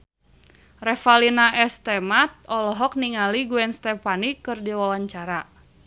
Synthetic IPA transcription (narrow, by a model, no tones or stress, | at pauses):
rɛfalinaʔɛst̪ɛmat̪̚ɔlɔɦɔk̚niŋaliɡuɛnst̪ɛpanikːɨrdiwawaɲt͡ʃaɾa